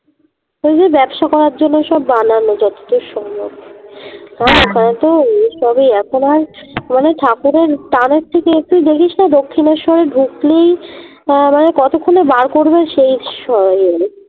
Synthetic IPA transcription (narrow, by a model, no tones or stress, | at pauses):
ojd͡ʑebɛbʃakɔɾaɾd͡ʑonːoʃɔbːananːod͡ʑɔt̪o̥t̪oʃɔmok | kaɾokʰanet̪oeʃɔbiɛkʰonaɾmaneʈʰakuɾeɾt̪aneɾ̚t̪ʰːekeek̚t̪uid̪ekʰiʃnad̪okʰːineɾʃɔɾeɖʱuklej | manekɔt̪okʰːonebaɾkoɾbeʃejʃɔɾje